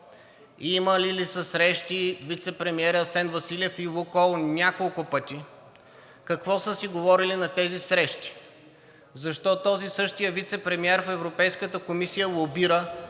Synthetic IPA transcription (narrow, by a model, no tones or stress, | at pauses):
iməlilisəsɾɛʃt̪ivit̪sɛpɾɛmiɛɾəsɛnvɐsilʲɛfilˠokɔlˠnʲakolˠkʊpɤt̪i | kɐkvɔsəsiɡovɔɾilinɐt̪ɛzisɾɛʃt̪i̥ | zɐʃt̪ɔt̪ɔzisɤʃt̪ijəvit̪sɛpɾɛmiɛɾfɛvɾopɛjskət̪əkomisijəlobiɾə